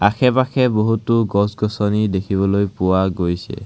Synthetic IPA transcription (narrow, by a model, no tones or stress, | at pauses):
akʰɛpakʰɛboɦutʊɡɔsɡɔsɔnidekʰiβɔlojpʊwaɡojsɛ̰